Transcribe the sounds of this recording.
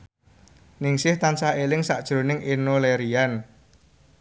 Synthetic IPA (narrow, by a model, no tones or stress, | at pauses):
nɪŋsɪht̪ansaelɪŋsa̰ʔd̥ʒ̥ɾo̤nɪŋenoleɾian